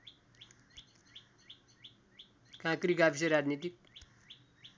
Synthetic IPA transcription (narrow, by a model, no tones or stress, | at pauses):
kãkɾikapʰis̬eɾad͡ʒnit̪ik̚